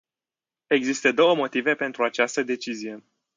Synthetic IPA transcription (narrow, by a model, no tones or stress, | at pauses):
e̞ɡzist̪əd̪o̞wəmo̞t̪ive̞pe̞nt̪ɾuat͡ʃast̪əd̪e̞t͡ʃizije̞